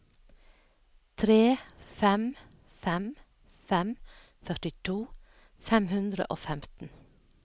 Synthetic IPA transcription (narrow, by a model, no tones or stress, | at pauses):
t̪ʰɾeːfɛm | fɛm | fɛm | fœʈɪt̪ʰuː | fɛmhʉnd̪ɾə̰ʔoːfɛmt̪n̩